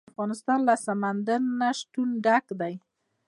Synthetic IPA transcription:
fɣɑnɪst̪ɑnlasamand̪aɾnaʃʈ̪unɖakd̪aj

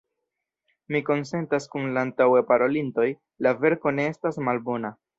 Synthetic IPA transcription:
miko̞nse̞ntaskunlaːntawe̞paɾo̞linto̞j | lave̞ɾko̞ne̞estasmalbo̞na

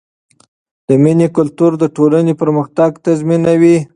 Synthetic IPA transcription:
d̪̥əminekʊlt̪uɾd̪əʈolanepəɾməxt̪aɡt̪azminawi

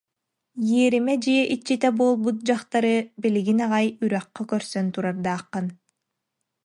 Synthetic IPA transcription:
jiɛɾimɛd͡ʒiɛʔit͡ɕːit̪ɛbuːlˠbut̪̚d͡ʒaχt̪aɾɯbiliɡinaʁajyɾœqːɔkœɾsœnt̪uɾaɾd̪aːqːɯn

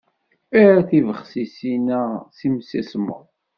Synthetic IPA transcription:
æɾæθivəχsisinæsimsæsmə̰ðˤ

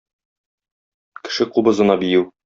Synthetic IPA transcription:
kɘ̥̆ʃɘqubɤ̆zɤ̆nɑbijɘw

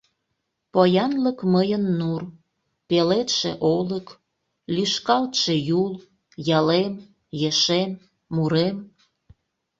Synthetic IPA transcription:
pojɑnləkməjənːur | pelet̪ʃḛʔolək | lyʃkɑlt̪ʃejul | jɑlem | jeʃemː | uɾem

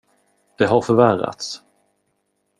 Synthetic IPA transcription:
d̪̥ɛɦaɾfœɾværa̰t̪s

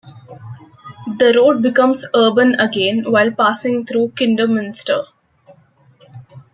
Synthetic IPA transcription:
d̪əɾoːɖ̚bɪkʌ̃mzəːbə̃nəɡẽːnʋaɪlpaːsɪ̃ŋt̪ʰɾuːkɪ̃ɳɖəmɪ̃nsʈə̰

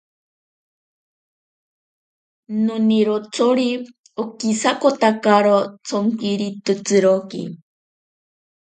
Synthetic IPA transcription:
nuniɾot͡sʰoɾi | okisakot̪akaɾot͡sʰoŋkiɾit̪ɨt͡sɨɾokḭ

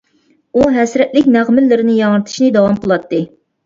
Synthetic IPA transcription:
uɦɛsɾɛt̪lɪkʲnæʁmɪlːɪɾɪnɪjɑŋəɾɨt̪ʰɨ̥ʃnɨd̪ɑwɑmqʰəlˠɑt̪ːɨ

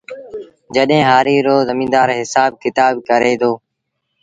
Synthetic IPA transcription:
d͡ʒəɗɦẽːɦaːɾiːɾoːzəmĩːnd̪aːɾɦɪsaːb̚kɪt̪aːbkəɾeːd̪oː

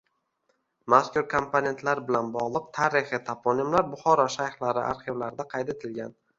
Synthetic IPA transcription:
maskʰʲʊɾkʰompʰone̞nt̪ʰlaɾbɪlanbɒʁlˠɨq̚t̪ʰaɾɪχɪt̪ʰapʰɒnɪmlaɾbʊχɒɾɒʃajhlaɾɪʔa̰ɾχɪvlaɾɪd̪aqʰɑjd̪e̞t̪ʰɪlɡʲan

